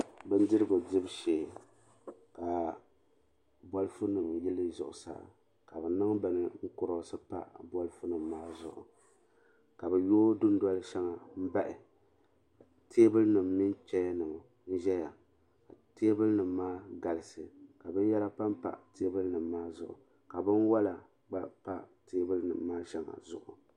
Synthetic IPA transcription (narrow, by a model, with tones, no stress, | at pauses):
bɨ˦n˦dɨ˦ɾɨ˦ɡo˨dɪ˦bʃe˨ | ka˨ | bɔ˦lfu˦nɨ˨mjɪ˦lɨ˦zʊ˨ʔʊ˨sa̰˦˨ | ka˨bɛ˨nɨ˦ŋ˦ba˨nɨ˨ŋ̩˦kʊ˨ɾo˨sɨ˦pa̰˦bɔ˦lfu˦nɨ˨mːaː˦zʊ̰˨ʔʊ̰˨ | ka˨bɛ˨joː˦dʊ˦n˦dɔ˦lʃɛ˦ŋa˨m̩˦ba˦ʔɪ˨ | a˨ | tʰe˦bɨ˦lnɨ˨mnɨ˦nt͡ʃɛ˦ja˦nɨ˨mo˨ | n̩˦ʒɛ˦ja˨ | ka˨teː˦bɨ˦lnɨ˨mːaː˦ɡa˨lɨ˨sɨ˨ka˨bɨ˦n˦jɛ˦la˦pa˦m˦pa̰˨ʔtʰeː˦bɨ˦lnɨ˨mːaː˦zʊ˨ʔʊ̰˨ | ka˨bɨ˦nwa˦la˨ | ɡ͡ba˦pa˦ʔteː˦bɨ˦lɨ˦nɨ̰˨mːaː˦ʃɛ˦ŋa̰˨zʊ̰˨ʔʊ˨